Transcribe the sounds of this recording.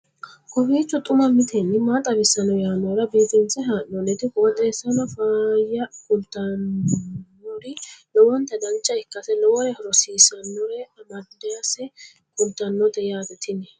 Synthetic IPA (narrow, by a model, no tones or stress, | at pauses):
kɔfiːt͡ʃːɔt̪ʼʊmɐmɪt̪ʰɛnːɪmat̪ʼɐbɪsːɐnɔjaːnɔɾɐbeːt̪ɛnt͡sːɛɦaːʔːɔnɛt̪ɪkɔwɔt̪ʼːɛːsːɐnɔfaːjɐkʊlt̪ːɐnː | ɔɾɪlɔwɔnt̪ːɐd̪ɐnt͡ʃːɐɪkːɐsɛlɔwɔɾɛhɔɾɔsiːsɐnːɔɾɛɐmɐd̪ɛjɐsɛ | kʊlt̪ɐnːɔt̪ɛjaːt̪ɛt̪ɪnɛ